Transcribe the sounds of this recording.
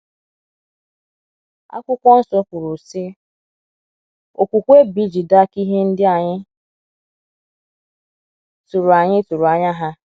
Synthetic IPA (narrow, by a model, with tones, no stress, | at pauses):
a̰˦kʷʊ˦kʷɔ˦n̩˦sɔ˦kʷʊ˨ɾʊ˨sɪ˦ | o˨kʷu˨kʷe˦bi˦d͡ʒi˨da˦ki˦ɦe˦n̩˦dɪ˦a˨ɲɪ˦ | tu˨ɾʊ˨a˨ɲɪ˦tu˨ɾʊ˨a˨ɲa˦ɦa˦